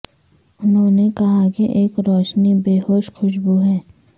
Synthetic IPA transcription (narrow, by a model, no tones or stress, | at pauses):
ʊnɦõːnekɐɦakiʔeːkɾɔːʃnibeːɦoːʃxʊʃ̬buɦɛː